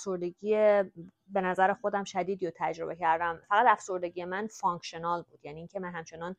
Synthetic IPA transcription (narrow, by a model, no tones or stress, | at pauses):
æfso̞ɾd̪e̞ɟiːje | be̞næzæɾexo̞d̪æmʃæd̪iːd̪ijot̪ʰæd͡ʒɾo̞be̞cʰæɾd̪æmfæɣæd̪æfso̞ɾd̪e̞ɟijemænfɒŋkʰʃonɒːlbuːd̪̥jæniːŋcʰemænɦæmt͡ʃʰe̞nɒn